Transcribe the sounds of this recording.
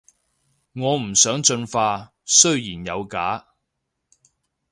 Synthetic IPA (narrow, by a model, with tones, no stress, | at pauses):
ŋɔː˨˧m̩˨˩sœː˨˥ŋt͡ʃɵ˧nfaː˧ | sɵ˥ɥjiː˨˩njɐ˨˧wkaː˨˥